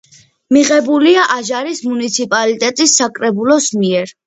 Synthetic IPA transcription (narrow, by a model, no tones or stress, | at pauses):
miʁɛbuliaʔaʒaɾismunit̪sʰipʼalit̪ʼɛt̪ʼisːakʼɾɛbulɔsmiɛɾ